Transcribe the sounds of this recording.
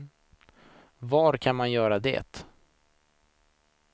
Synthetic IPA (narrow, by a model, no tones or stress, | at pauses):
vaɾkʰanmanjœːɾad̪ɛ̰ːt̪